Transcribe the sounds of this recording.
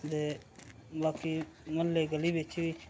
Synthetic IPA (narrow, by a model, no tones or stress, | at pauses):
d̪e | baːkiməlːeɡəlibet͡ʃʰiʋi